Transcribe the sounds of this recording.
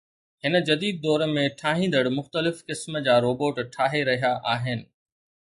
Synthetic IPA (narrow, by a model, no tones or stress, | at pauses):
ɦɪnə̆d͡ʑɐd̪iːd̪̚ːɔːɾmẽʈʰaːɦĩːn̆d̪əɽmʊxt̪əlɪfkɪsməd͡ʑaːɾoːboːʈʈʰaːɦeɾɐɦijaʔaːɦɪnɪ̆